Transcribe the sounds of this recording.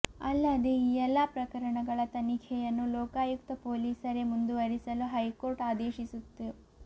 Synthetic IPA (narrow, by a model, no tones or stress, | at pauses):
ɐlːɐd̪eiːɛlːɐpɾɐkɐɾɐɳɐɡɐɭɐt̪ɐnikʰɛjɐnːulɔːkaːjukt̪ɐpoːliːsɐɾemund̪uʋɐɾisɐluɦɐjkoːɾʈaːd̪eːʃisut̪ːu